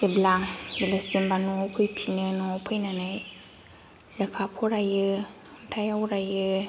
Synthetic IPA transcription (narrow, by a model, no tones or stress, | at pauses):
eblaŋbilɯsɯmbanɔkʰɯjpʰinɯnɔpʰɯjnanaj | lɯkʰapʰɔɾajɯ | tʰajawɾajɯ